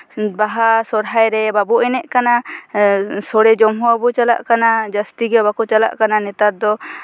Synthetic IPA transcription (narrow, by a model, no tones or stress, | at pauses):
baɦasɔɽɦajɾɛbabuʔɛnɛʔkana | sɔɽɛd͡ʒɔmɦɔabɔt͡ʃala̰ʔkanad͡ʒəst̪iɡɛbakɔt͡ʃala̰ʔkananɛt̪aɾd̪ɔ